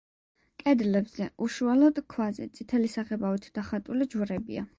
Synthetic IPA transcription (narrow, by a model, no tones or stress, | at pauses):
kʼɛd̪lɛbz̥ɛʔuʃualɔd̪kʰwazɛ̰t̪sʼit̪ʰɛlisaʁɛbavit̪ʰd̪̥aχat̪ʼulid͡ʒwɾɛbḭa